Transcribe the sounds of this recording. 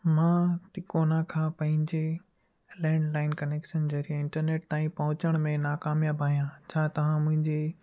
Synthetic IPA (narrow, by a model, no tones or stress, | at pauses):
mãːt̪ɪkoːnakʰãːpɐ̃ɦɪ̃ɲd͡ʑe | lɛ̃ːɳɖlaːɪnkɐneːkʃənd͡ʑɐɦɾieɪ̃ɳʈəɾneːʈt̪aːĩpɐɦʊ̃t͡ɕəɽ̃mẽnaːkaːmijabʱaːɦijãt͡ɕʰaːt̪ɐʋ̤ãmʊ̃ɦɪ̃ɲd͡ʑe